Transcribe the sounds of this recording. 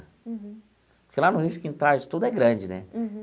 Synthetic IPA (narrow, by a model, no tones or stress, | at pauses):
pʊɾkelanʊɦiʃʊ̥kĩnt̪aɾd͡ʒɪt̪ud̪ʊɛɡɾɐ̃d͡ʒɪnɛ̰